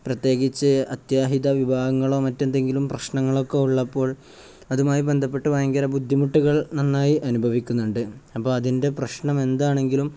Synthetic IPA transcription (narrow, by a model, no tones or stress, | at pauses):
prɐt̪je̞ːɡit͡ɕːɨɐt̪jaːɦiðɐʋibʱaːɡɐŋːɐɭo̞ːmɐtːe̞nd̪e̞ŋɡilumprɐɕɳɐŋːɐɭo̞kːe̞uɭːɐpːo̞ːɭ | ɐðumaːjibe̞nd̪ʱɐpːe̞ʈːuʋɐjɐŋɡɐɾɐbud̪ʱːimuʈːuɣɐɭnɐnːaːjiʔɐnubʱɐʋikʲːunːuɳɖɨɐpːoːɭɐðinde̞prɐɕɳɐme̞nd̪aːɳe̞ŋɡilum